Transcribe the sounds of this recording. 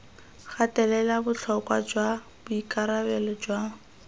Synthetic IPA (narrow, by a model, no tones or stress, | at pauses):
χatɛlɛlabʊt͡ɬʰɔkʼwad͡ʒwa | b̥ʊikaɾabɛlɔd͡ʒwa